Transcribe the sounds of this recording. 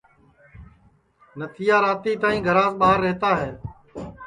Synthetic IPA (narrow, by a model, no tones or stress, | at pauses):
nət̪ʰijaːɾaːt̪iːt̪aːĩːɡʱəɾaːsɓaːɦəɾːeɦːt̪aːɦeː